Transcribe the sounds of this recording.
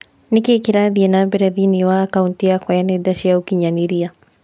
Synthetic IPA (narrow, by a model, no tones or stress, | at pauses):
nikekiɾaðiɛnabɛɾɛðiniwaːkauntiakwaanɛdaʃiaukiɲaniɾia